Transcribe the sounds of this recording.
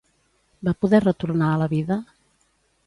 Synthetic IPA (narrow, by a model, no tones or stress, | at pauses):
bapuðɛrət̪uɾnaələβiðə